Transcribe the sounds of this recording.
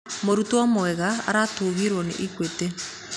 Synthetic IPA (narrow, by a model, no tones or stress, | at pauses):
moɾutoɔmoɛɣaa̰ɾatoβiɾwɔnḛʔikwete